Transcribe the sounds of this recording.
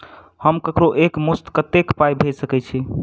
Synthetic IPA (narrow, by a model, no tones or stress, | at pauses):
həmkəkɾoʔekmust̪kət̪ekpajbʱed͡ʒsəkɛt͡ʃʰi